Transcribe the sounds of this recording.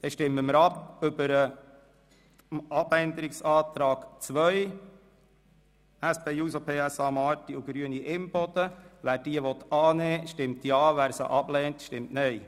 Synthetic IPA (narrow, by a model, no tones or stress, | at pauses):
d̥̪ɛʃtɪmːəməɾɑpʏbəɾə | ɑbɛnd̪əɾɪksɑːt̪ɾɑːɡ̥t͡sʋœj | æspʰeːuːsopʰeːæsɑːmɑːɾtiuɡ̥ɾyːəniʔɪmpɔtəʋæːɾd̥iəʋɔt̪ɑːnɛːʃtɪmt̪jɑːʋæːɾsə̰ʔɑblɛːntʃtɪmtnɛj